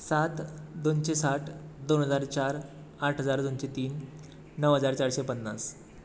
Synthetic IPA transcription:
sat̪d̪onɕesaʈʰd̪onɦəd͡zaɾt͡ɕaɾ | aʈʰɦəd͡zaɾd̪onɕet̪iːnː | əʋɦəd͡zaɾt͡ɕaɽɕepənːa̰s

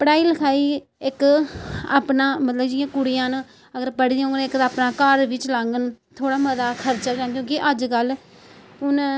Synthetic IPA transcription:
pəɽaːiːləkʰaːiː | ɪk | a̰ːpnãːmət̪ləbd͡ʒɪjãːkʊɽijãːnː | əɡəɾpəɽd̪iõːɡnɪkd̪aːpnaːkəɾʋɪt͡ʃlaŋɡənt̪ʰoːɽaːməzaːkʰəɾt͡ʃaːd͡ʒãːnjõːkiʔəd͡ʒkəlː | ʊn

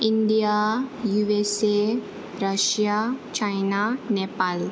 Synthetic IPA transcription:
iɳɖijajuese | ɾəʃjat͡ʃajnanepal

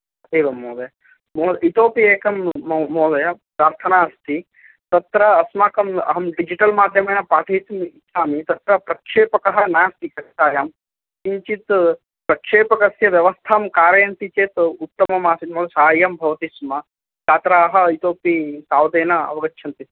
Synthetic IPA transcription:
eːʋɐmːoːd̪ɐjɐ | moːd̪it̪oːpieːkɐmːoːd̪ɐjɐpɾaːɾt̪ʰɐnaːɐst̪ʰi | t̪ɐt̪ɾɐːsmaːkɐmɐ̰ɦɐmɖid͡ʒiʈɐlmaːd̪ʱjɐmeːnɐpɾaːt̪ʰɐit̪misaːmit̪ɐt̪ɾɐpɾɐkʂeːpɐkɐɦɐnaːst̪ikɐst̪aːjaːm | siɲt͡ʃit̪ | pɾɐkʂeːpɐkɐsjɐʋjɐʋɐst̪ʰaːmkaːɾɐjɐnt̪it͡ʃeːt̪ut̪ːɐmɐmaːsit̪moːd̪ɐsaːajɐmbʱɐʋɐt̪ismɐ | t̪aːt̪ɾaɦɐit̪oːpisaːʋd̪eːnɐɐ̰ʋɐɡɐtːʃʰɐnt̪is

